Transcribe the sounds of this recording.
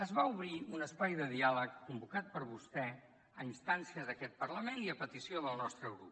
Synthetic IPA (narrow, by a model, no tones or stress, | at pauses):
əzβauβɾiunəspajðəðialəkːumbukat̪̚pəɾβust̪ɛ | əinst̪ansiəzðəkɛt̪̚pəɾləmeniəpət̪isioðəlˠnɔst̪ɾəɣɾup̚